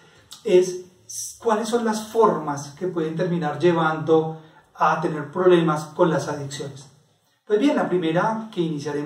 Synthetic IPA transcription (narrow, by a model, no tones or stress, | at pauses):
es | kwalesːo̞nlasfo̞ɾmaske̞pwe̞ð̞ent̪̬e̞ɾmĩnaɾd͡ʒe̞β̞and̪o̞ | at̪e̞ne̞ɾpɾo̞βle̞masko̞nlasaðiksjo̞nes | pwezbje̞nlapɾime̞ɾake̞inisjaɾe